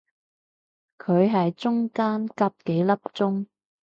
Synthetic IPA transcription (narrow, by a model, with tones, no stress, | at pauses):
kʰɵ˨˧ɥɦɐ˨jt͡sʊ˥ŋkaː˥nkaː˧p̚ke˨˥jlɐ˥p̚t͡sʊ˥ŋ